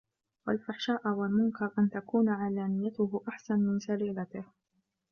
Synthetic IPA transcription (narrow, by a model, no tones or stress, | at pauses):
walfaħʃaːʔwalmʊŋkɑɾˤʔant̪akuːnʕaːlaːmɪjːat̪ʊhʊʔaħsanmɪnsaliːlat̪ɪh